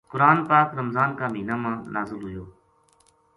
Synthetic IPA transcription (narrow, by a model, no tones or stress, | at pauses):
kʊɾaːnpaːkɾəmzaːnkaːmiːnaːmãːnʔaːzəlɦʊjoː